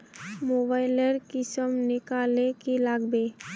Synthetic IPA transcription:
mobaːɪləɾkɪsəmnɪkaːlekilaːɡbe

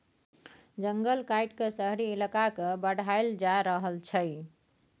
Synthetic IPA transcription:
d͡ʒəŋɡəlkajʈkesəɦɾiːlakakebəɽ̤ʱajld͡ʒaɾəɦəlt͡ʃʰə

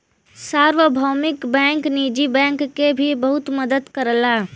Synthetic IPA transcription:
saːɾʋəbʱaːmɪkbɛ̃ːŋkniːd͡ʒibɛ̃ːŋkːebʱibəɦʊt̪məd̪əd̪kəɾəla

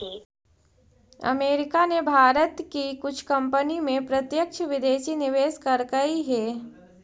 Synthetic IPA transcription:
ɐ̰meːɾɪkanebʱaːɾət̪kikʊt͡ʃʰkɐ̃mpənimẽpɾɐt̪jəkʃʰʋɪd̪eːʃinɪʋeːskɐɾkɐiɦɛː

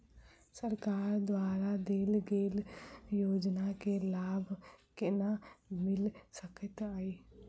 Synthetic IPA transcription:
səɾkaːɾd̪waːɾad̪eːlɡeːljoːd͡ʒnakelaːbkenamɪlsəkət̪aːiː

